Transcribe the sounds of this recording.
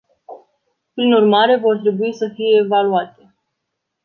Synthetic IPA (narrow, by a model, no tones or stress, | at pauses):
pɾinurmaɾe̞vo̞rt̪ɾe̞buisəfije̞ːvaluat̪e̞